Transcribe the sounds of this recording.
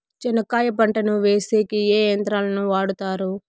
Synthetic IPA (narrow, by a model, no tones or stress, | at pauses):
t͡ʃinɐkaːjɐpɐɳʈɐnuʋeːseːkieːjɐnt̪ɾaːlɐnuʋaːɽut̪aːɾu